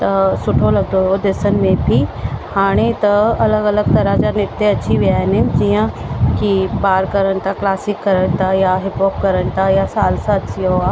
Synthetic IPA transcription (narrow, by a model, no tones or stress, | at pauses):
t̪ɐsʊʈʰolɐɡd̪ood̪ɪsənɪ̆mẽbʱihaːɽ̃et̪ɐɐləɡɐləɡ̚t̪ɐɾãd͡ʑanɪt̪eɐt͡ɕʰiʋijaːɦɪnɦɪnɪ̆d͡ʑiːə̃kibaːɾkɐɾəɽ̃t̪ʰaklaːsɪkːɐɾəɽ̃t̪ʰajaɦɪpoːp̚kɐɾəɽɪ̆t̪ʰajasaːlsaːt̪ijoaː